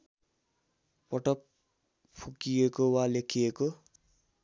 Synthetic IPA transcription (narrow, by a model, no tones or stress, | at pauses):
pʌʈʌk̚ | pʰukijekowalekʰijeko